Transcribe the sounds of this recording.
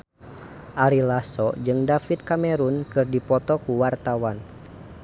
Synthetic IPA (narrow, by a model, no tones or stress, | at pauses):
ʔaɾilasɔd͡ʒɨŋdafit̪̚kamɛɾunkɨrdipɔt̪ɔkuwart̪awan